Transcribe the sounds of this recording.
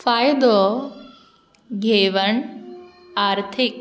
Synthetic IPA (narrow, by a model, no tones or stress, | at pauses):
faːjd̪o | ɡʱeːʋɐɳ | aːɾt̪ʰik̚